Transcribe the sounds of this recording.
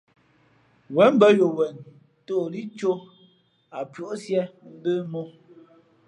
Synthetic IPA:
wɛ˨˦m̩˦bə˦jo˨wɛ˨n | to˦˨li˦t͡ʃo˦ | a˨pɥo˨˦ʔsjɛ˦m̩˦bə˦mo˦

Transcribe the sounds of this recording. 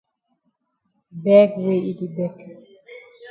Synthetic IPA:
bɛ˦ɡwe˦i˦di˨bɛ˨k

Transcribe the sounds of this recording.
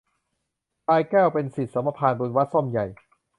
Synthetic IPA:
paː˧jkɛː˥˩wpe˧nsi˨˩t̪̚sa˩˦ma˧pʰaː˧nbu˧nwa˦˥t̪̚so˥˩mja˨˩j

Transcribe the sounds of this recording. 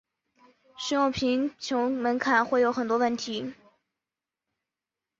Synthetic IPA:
ʂɻ̩˧˥jʊ˥˩ŋpʰi˧˥ŋt͡ɕʰjʊ˧˥ʊmə˧˥nkʰa˨˩˦nxwe˥˩ɪjo˧˥ʊxə˨˩nt̪wɔ˥wə˥˩nt̪ʰi˧˥

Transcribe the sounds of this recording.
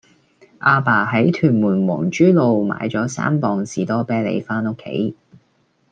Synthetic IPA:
ʔaː˧paː˨˩ɦɐ˨˥jt̪ʰyː˨˩nmuː˨˩nwɔ̰ː˨˩ŋt͡ʃyː˥lo˧wma̰ː˨˧jt͡sɔː˨˥sa̰ː˥mpɔː˨ŋsiː˨t̪ɔː˥pɛː˥lḛ˨˧jfaː˥no˥kʰːḛ˨˥j

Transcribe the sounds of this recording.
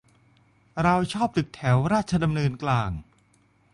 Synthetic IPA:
ɾa˧wt͡ɕʰɔː˥˩p̚t̪ɯ˨˩k̚t̪ʰɛː˩˦wɾaː˥˩t̪̚t͡ɕʰa˧da˧mnɤː˧nklaː˧ŋ

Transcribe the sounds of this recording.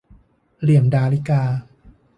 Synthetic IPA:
li˨˩əmdaː˧li˦˥kaː˧

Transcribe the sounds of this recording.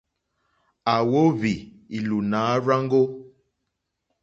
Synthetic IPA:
a˨wo˦vi˨ | i˨lu˨naː˨˦ɾa˦ŋɡo˦

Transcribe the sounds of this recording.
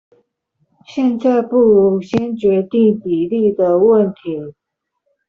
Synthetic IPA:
ɕjɛ˥˧nt͡sa˥˧ɪpu˥˩ɻu˧˥ɕjɛ˥nt͡ɕɥɛ˧˥t̪i˥˩ŋpi˨˩li˥˩d̪ə˨˩wə˥˨˩nt̪ʰi˧˦

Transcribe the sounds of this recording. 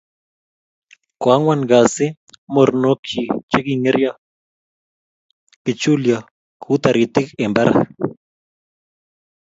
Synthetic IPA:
kwa˨˦ŋwa˦nɡa˨se˦ | mo˨ɾno˦kʰi˨t͡ʃe˦ɡi˨ŋe˦ɾja˦ | kɪ˨t͡ʃu˦lja˨ | kʰu˦t̪a˨ɾi˨t̪ɪ˦ke˨mba˦ɾa̰

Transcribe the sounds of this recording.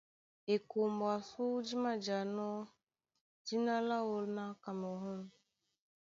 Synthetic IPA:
e˨ko˨mba˨su˦d͡ʒi˦ma˦d͡ʒa˨nɔ˦ | d͡ʒi˦na˦la˦wo˦lna˦ka˨mo˨ɦu˦n

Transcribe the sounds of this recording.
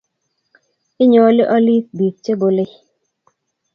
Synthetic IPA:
ɪ˦ɲɔ˨˦lɪ˦ʔɔ˦li˦k̚bi˨k̚t͡ʃe˦bo˨lɪ˦

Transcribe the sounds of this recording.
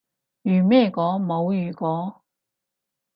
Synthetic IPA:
jyː˨˩mɛː˥˩kɔː˨˥mo˨˧wjyː˨˩kɔː˨˥

